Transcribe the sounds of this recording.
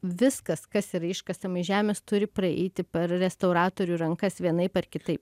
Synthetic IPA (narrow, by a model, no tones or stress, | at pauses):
ʋʲɪskɐskɐsiɾɐɪʃkɐsɐmɐɪʒʲæːmʲeːst̪ʊɾʲɪpɾɐɛ̰ɪt̪ʲɪpʲɛɾɾʲɛst̪ɐʊɾɑːt̪oːɾʲuːɾɐŋkɐsʋʲiɛnɐɪpɐrkʲɪt̪ɐɪp